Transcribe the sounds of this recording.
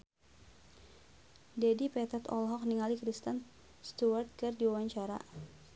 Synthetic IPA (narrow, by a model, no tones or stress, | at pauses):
dɛdipɛt̪ɛt̪ɔ̰lɦɔk̚niŋalikɾist̪ən | st̪uart̪̚kɨrdiwawaɲt͡ʃaɾa̰